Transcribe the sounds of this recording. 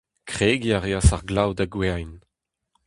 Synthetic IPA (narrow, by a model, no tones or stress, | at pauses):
kχeːɡiaʁeasaʁɡlawdaɡweajn